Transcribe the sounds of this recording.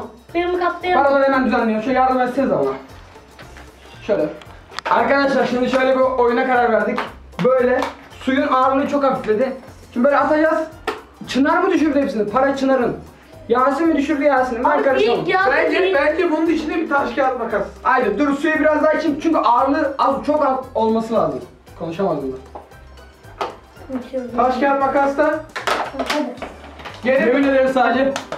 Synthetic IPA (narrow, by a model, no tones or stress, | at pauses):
emkʰapt̪ˠajpaɾab̪aɾemænd̪yzænlːʲijomʃjaɾd̪ɯmɛsiniza̰lːˠa̰n | ʃøjlʲɛ | aɾkad̪aʃlˠaɾʃimd̪iʃø̞jlʲɛbiojunakaɾaɾvæɾd̪ic | bø̞jlʲɛ | sujunaːɾɯlˠɯt͡ʃʰokapit̪lʲed̪ɪt͡ʃʰybøːlʲɛat̪ʰabaz | t͡ʃʰɯnaɾɯmɯd̪yʃ̬yɾd̪ynhepsinizpʰaɾat͡ʃʰɯnaɾɯn | jaːsɯmid̪yʃyɾd̪yjaɾsɯnimaɾkaɾɯomˠbænd͡ʒɛbænʲd͡ʒibununit͡ʃʰind̪ɛbit̪ʰaʃcaːt̪̚makasajd̪ɯd̪uɾusyjɛbiɾazd̪aɾt͡ʃʰimt͡ʃʰyɲcyʔaːɾɯlˠɯazt͡ʃʰo̞kao̞lˠmasɯlˠaːzɯm | kʰo̞nuʃamazɯmd̪a | p̪ʰaʃcʲaːɾt̪makast̪a | jeɾeminelʲeɾisaːd̪d͡ʒɛ